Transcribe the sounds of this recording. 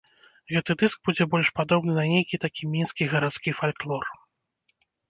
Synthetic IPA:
ɣɛt̪ɨd̪ɨsɡ̚bud͡zʲɛbɔlʲʂpad̪ɔbnɨnɐnʲejkʲit̪akʲimʲinskʲiɣɐɾat̪skʲifalʲklˠɔr

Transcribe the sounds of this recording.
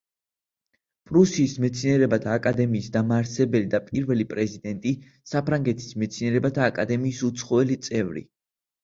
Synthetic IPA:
pʼɾusiːsmɛt̪sʰiniɛɾɛbat̪ʰaːkʼad̪ɛmiːsd̪amaːɾsɛbɛlid̪apʼiɾvɛlipʼɾɛzid̪ɛnt̪ʼi | sapʰɾaŋɡɛt̪ʰi̥smɛt̪sʰiniɛɾɛbat̪ʰaːkʼad̪ɛmiːsut̪sʰχɔɛlit̪sʼɛvɾḭ

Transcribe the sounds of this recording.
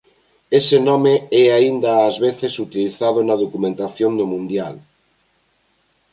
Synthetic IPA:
esenɔmeɛaind̪aːzβeθesut̪iliθað̞ʊnɐðokumẽnt̪aθjoŋd̪omũnd̪jal

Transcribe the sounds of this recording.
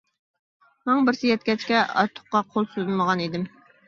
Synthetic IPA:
mɛŋbɪɾsɪjɛt̪̚kʲɛt͡ʃkʲɛɑ̰ɾt̪ʰːʊ̥χqːɑqʰolˠsyzməʁɑnid̪ɪm

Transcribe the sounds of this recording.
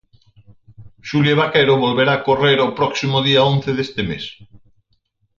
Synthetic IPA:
ʃuljeβakeɾoβolβeɾaːkoreɾawpɾɔksimoðiaõnθeðest̪emḛs

